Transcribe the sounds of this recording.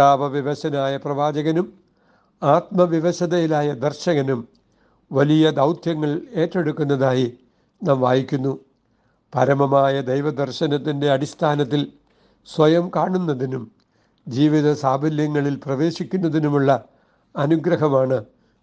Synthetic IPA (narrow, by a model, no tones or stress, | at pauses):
aːʋɐʋiʋɐɕɐnaːjɐprɐʋaːd͡ʑɐɣɐnum | aːt̪mɐʋiʋɐɕɐðɐjilaːjɐd̪ɐrɕɐɣɐnum | ʋɐlijɐd̪ɐwt̪ʰjɐŋːɐɭe̞ːtːe̞ɽukːunːɐðaːji | naːmʋaːjikʲːunːu | pɐɾɐmɐmaːjɐd̪ejʋɐd̪ɐrɕɐnɐt̪ːinde̞ɐɽist̪ʰaːnɐt̪̬ːil | sʋɐjɐmkaːɳunːɐðinum | d͡ʑiːʋiðɐsaːbʱɐljɐŋːɐɭilprɐʋe̞ːɕikʲːunːɐðinumuɭːɐː | nuɡɾɐɦɐmaːɳɨ